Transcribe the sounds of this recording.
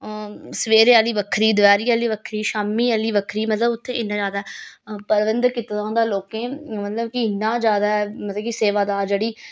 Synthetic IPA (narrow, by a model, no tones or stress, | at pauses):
səʋeːɾeːaːliːʋəkʰɾiːd̪ʊʋɛːɾiːaːliːʋəkʰɾiːʃaːmːiːaːliːʋəkʰɾiːmət̪ləbʊt̪ʰːẽːɪnːãːd͡ʒaːd̪aːɛpəɾʋənd̪kɪt̪d̪ãːnd̪aːloːkẽːmət̪ləbkɪɪnːãːd͡ʒjaːd̪aːɛːmət̪ləbkiseːʋaːd̪aːɾd͡ʒeːɽiː